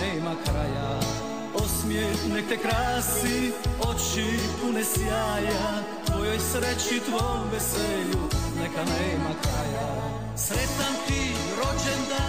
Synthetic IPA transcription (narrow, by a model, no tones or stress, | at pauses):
ɛːmakɾaja | osmjɛnɛk̚t̪ɛkɾaːsiot͡ʃipunɛsjaːja | t̪ʋojojsɾɛt͡ʃit̪ʋojombɛsɛːʎunɛkanɛːmakɾaja | sɾɛt̪t̪amt̪i | ɾod͡ʒɛnd̪a